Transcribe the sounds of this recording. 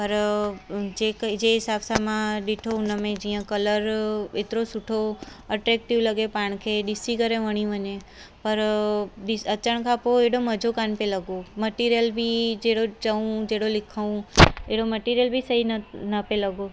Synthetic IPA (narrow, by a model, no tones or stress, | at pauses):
pəɾ | d͡ʒekəd͡ʒeɦɪsabsamãɖiʈʰounəmẽd͡ʒijãkələɾet̪ɾosuʈʰoəʈɾɛk̚ʈiʋləɡepaɳ̃kʰeɖɪsikəɾeʋəɽ̃ĩʋəne | pəɾɖisət͡ʃəɳ̃kʰapoeɽoməd͡ʒʱokanpeləɡoməʈiɾijəlbʱid͡ʒeɽod͡ʒəʋũd͡ʒeɽolɪkʰaũeɽoməʈiɾijəlbʱisəɦinnəpeləɡo